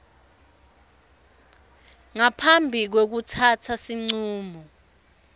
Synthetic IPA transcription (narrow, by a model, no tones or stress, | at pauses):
ŋapʰambʱik̬wek̬utʰatʰasiŋ͡ǀuːmɔ